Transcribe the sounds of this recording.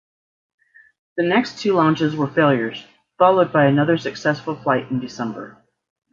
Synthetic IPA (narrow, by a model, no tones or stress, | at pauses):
ðɨnɛkstʰʉlɑ̃nt͡ʃɨzwə˞feɪlˠjə˞z̥ | fɑlˠoʊd̚baɪɨnʌðə˞sɨksɛsfl̩ˠflaɪɾ̃n̩dɨsɛ̃mbə̰˞